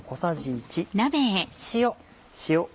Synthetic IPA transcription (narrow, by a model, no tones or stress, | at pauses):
kosaʑiːt͡ɕinabẽẽɕijo | ɕio